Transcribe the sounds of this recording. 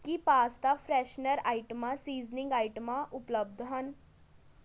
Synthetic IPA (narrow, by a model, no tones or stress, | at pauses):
kipaːst̪aːpʰɾɛːʃnəɾaːiʈəmãːsiːznɪ̃ŋɡaːiʈəmãʔʊpləb̚d̪ɦən